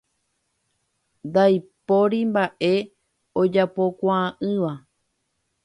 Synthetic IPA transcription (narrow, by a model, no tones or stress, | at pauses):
nd̪ajpoɾimbaʔe̞ | od͡ʒapo̞kʷãːʔɨ̃ʋa